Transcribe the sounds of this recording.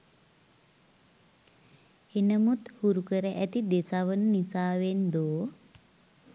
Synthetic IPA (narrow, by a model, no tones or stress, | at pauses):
enəmut̪huɾukəɾəʔæt̪id̪esaʋənənisaːʋend̪oː